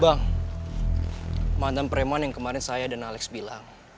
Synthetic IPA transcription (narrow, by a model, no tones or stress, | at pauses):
baŋ | mand̪anpəɾemanjaŋkəmaɾɪnsajadanalɛksbilaŋ